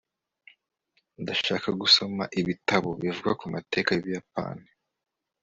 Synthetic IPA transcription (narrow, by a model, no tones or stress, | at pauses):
ndaʃaːkaɡuso̞ma̰ʔiβitaβoβivuɡakumʔate̞ːkaβijap̚a̰ːni